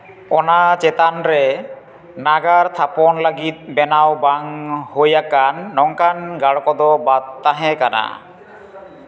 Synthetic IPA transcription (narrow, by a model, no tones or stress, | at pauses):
ɔnat͡ʃɛt̪anɾɛ | naɡaɾt̪ʰapɔnlaɡit̪̚bɛnawbaŋhojakanːɔŋkanɡaɽkɔd̪ɔbad̪̚ːaɦɛkana̰